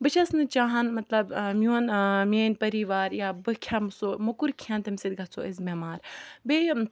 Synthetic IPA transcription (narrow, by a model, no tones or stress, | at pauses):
bɨt͡ʃʰɐsnɨt͡ʃaːɦɐnmɐt̪lɐbmʲjuːnmeːnʲpɐɾiʋaːɾjaːbɨkʰʲamɨsoːmukuɾkʰãːnt̪ɐmsid̪ɡɐt͡sʰo̰ʔizmeːmaːɾbe